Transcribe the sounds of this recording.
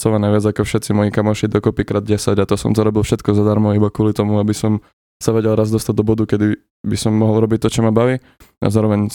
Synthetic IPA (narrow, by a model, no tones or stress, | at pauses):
t͡sɔʋanaʋɪad͡zakɔfʃɛt̪t͡simɔjikamaʃid̪ɔkɔpikɾaːd̪̚ɟɛsaɟat̪ɔsɔ̰mt̪ɔɾɔbilˠfʃɛt̪kɔzad̪aɾmɔibakʊɔlit̪ɔmuabisɔm | saʋɛɟɛlɾazd̪ɔst̪aɟ̚d̪ɔbɔd̪ukɛd̪i | bisɔmːɔɦɔlˠɾɔbic̚t̪ɔt͡ʃɔmabaʋi | a̰zaːɾɔʋɛɲ